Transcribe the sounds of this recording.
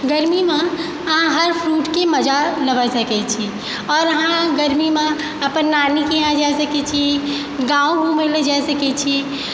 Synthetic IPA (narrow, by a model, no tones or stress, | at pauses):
ɡəɾmimẽ | əɦãɦəɾpʰɾuːʈkeməd͡ʒaləʋəsəkɛt͡ʃʰi | ɔːɾəɦãɡəɾmimẽ | əpənːaːnikeɦãd͡ʒasəkɛt͡ʃʰi | ɡãːũɡʱũmeled͡ʒasəkɛt͡ʃʰi